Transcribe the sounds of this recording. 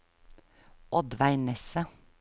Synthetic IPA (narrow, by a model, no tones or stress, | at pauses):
ʔɔd̪ʋæɪnɛsə